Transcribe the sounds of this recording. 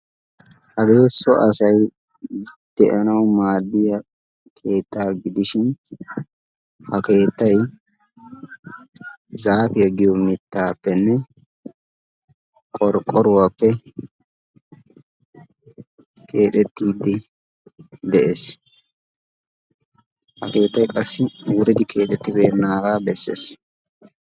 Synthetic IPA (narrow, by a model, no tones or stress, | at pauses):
hɐɡe̞ːsːɔʔɐsɐj | d̪̥ɛʔɐnɐwmaːd̪ːɪjɐ | kʰe̞ːt̪ːaːɡɪd̪ɪʃɪn | hɐke̞ːt̪ːɐj | zaːfɪjɐɡɪjɔmɪt̪ːaːpːɛnːɛ | kʼɔɾkʼːɔɾʊwaːpːɛ | kʰe̞ːt̪ʼɛt̪ːiːd̪ːɪ | d̪ɛʔeːs | hɐke̞ːt̪ːɐjkʼɐsːɪwʊɾɪd̪ɪkʰe̞ːt̪ʼɛt̪ːɪbeːnːaːɡaːbɛsːḛːs